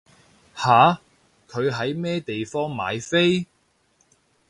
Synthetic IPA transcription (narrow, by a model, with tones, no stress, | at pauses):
haː˨˧ | kʰɵ˨˧ɥɦɐ˨˥jmɛː˥t̪e˨jfɔː˥ŋma̰ː˨˧jfe˥j